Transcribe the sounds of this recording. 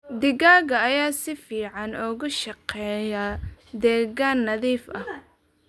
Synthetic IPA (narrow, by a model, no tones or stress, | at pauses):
d̪ɪɣaːɣɐɐjaːsɪfiːʕɑnɔɣʊʃɑqɛːjɐd̪ɛːɣaːnːɐðiːfʔɐh